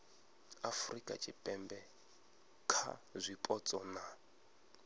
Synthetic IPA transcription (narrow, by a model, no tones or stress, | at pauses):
afrikʼa̰t͡ʃʼipʼɛmbɛ | kʰa̰zʷipʼɔt͡sʼɔna